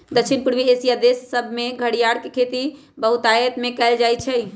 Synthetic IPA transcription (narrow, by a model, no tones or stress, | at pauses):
d̪əkt͡ʃʰinpuɽʋiesijad̪esːəbʱmeɡʱəɽijaɽkekʰet̪i | bəɦut̪ajət̪mekɛld͡ʒajt͡ʃʰɛ